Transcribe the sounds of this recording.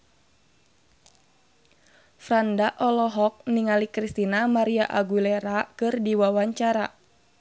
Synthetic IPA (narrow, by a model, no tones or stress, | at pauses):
fɾandaʔɔlɔɦɔk̚niŋalikɾist̪inamaɾiaʔaɡuleɾakɨrdiwawaɲt͡ʃaɾa